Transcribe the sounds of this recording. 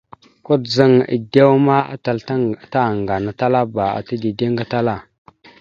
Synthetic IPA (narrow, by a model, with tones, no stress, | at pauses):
ku˦tzə˦ŋə̰˨de˦wma˦a̰˦ta˨lta˦˨ŋɡa˨na˨ta˦la˦ba˨a̰˨ti˦di˨de˦ŋɡa˦ta˦la˦˨